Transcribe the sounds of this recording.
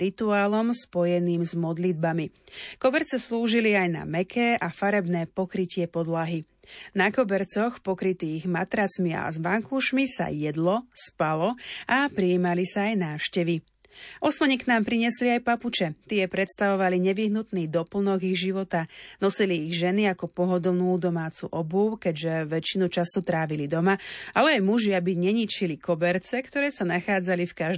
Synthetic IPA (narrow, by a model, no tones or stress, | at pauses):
ɾit̪uaːlɔmspɔjɛniːmzmɔd̪lid̪̚bamikɔbɛɾt͡sɛsluːʒiliajna̰mɛkʰɛːʔafaɾɛbnɛːpɔkɾicɪɛpɔd̪laɦi | nakɔbɛɾt͡sɔxpɔkɾit̪iːɣmat̪ɾat͡smia̰zʋaŋkuːʃmisa̰jɛd̪lɔspalɔʔapɾiiːmalisaːjnaːfʃcɛʋi | ʔɔsmɔɲiknaːmpɾiɲɛsliajpaput͡ʃɛt̪ɪɛɛpɾɛt̪st̪aʋɔʋaliɲɛʋiɦnut̪niːd̪ɔpl̩nɔɡiɣʒiʋɔt̪anɔsiliːɣʒɛniakɔpɔɦɔd̪l̩nuːd̪ɔmaːt͡sṵʔɔbukɛɟʒɛʋɛt͡ʃinut͡ʃasut̪ɾaːʋilid̪ɔmaʔalɛajmuʒɪabiɲɛɲit͡ʃilikɔbɛɾt͡sɛkt̪ɔɾɛːsanaxaːd͡zalifkaʒ